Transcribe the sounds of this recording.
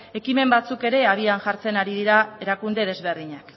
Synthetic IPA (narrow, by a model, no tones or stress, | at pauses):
e̞kime̞mbat͡suke̞ɾe̞aβianʝaɾt͡se̞naɾiðiɾae̞ɾakund̪e̞ð̞e̞zβ̞e̞rðiɲak